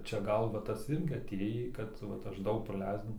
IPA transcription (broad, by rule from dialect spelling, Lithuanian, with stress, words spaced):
t͡ʃʲɛ ˈɡɐlˠ ʋɐ ˈtɐs ˈɪrʲɡʲɪ ɐˈtʲeːjiː ˈkɐt ʋɐt ˈɐʃ ˈdɐʊk prɐˈlʲɛɪst